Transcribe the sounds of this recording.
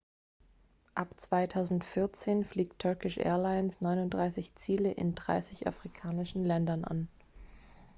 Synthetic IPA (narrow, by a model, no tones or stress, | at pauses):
ʔapt͡sv̥aɪtʰaʊzn̩tfɪɐt͡seːnfliːktʰːœɐkɪʃʔɛ̰ːɐlaɪnsnɔʏnʊntd̥ʁaɪsɪçt͡siːləʔɪ̰ndʁa̰ɪsɪçʔa̰fʁ̥ikʰaːnɪʃn̩lɛndɐnʔa̰n